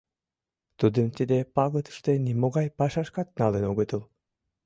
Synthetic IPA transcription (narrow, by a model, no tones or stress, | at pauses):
t̪ud̪ɯmt̪ʲid̪epɑɣɤt̪ɯ̥ʃt̪enimoɣɑjpɑʃɑʃkɑt̪̚nɑlˠenoɣɤt̪ɯlˠ